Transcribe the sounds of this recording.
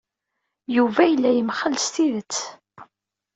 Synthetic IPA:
juvæjəlːæjəmχəlst̪iðət͡sː

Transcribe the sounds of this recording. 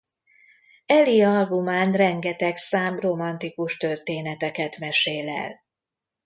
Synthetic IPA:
ɛliɒlbumaːnrɛŋɡɛt̪ɛksaːmro̞mɒnt̪ikuʃt̪ørt̪eːnɛt̪ɛkɛt̪mɛʃeːlɛ̰l

